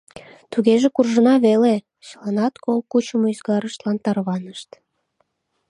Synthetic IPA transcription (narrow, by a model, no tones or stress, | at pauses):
t̪uɣeʒekurʒənɑβele | t͡ɕəlɑnɑt̪kolkut͡ɕəmoyzɡɑɾəʃt̪lɑnt̪ɑrβɑnəʃt̪